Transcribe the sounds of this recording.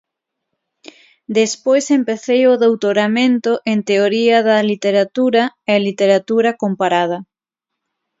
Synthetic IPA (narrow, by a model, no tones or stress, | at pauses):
d̪espojsempeθejoðowt̪oɾamẽnt̪oʔent̪eoɾiaðɐlit̪eɾat̪uɾɐelit̪eɾat̪uɾɐkompaɾað̞ɐ